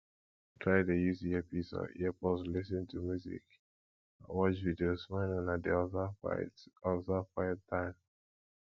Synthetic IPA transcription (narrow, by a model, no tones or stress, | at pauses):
tʰɹaɪdejuziɛpisɔ̰ɛpɔslisə̃ntʰumjuzḭk | awɔt͡ʃvidiosmãɪ̃nɔ̃nadḭ | zafaɪtʰːãɪ̃m